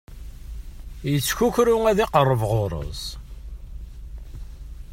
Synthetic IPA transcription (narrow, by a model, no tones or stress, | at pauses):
jət͡sːçuçɾuŋæðiqərˤːəvʁoɾˤə̰zˤ